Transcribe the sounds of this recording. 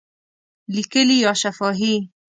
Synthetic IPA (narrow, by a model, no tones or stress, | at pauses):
likelijɑʃafɔːɦi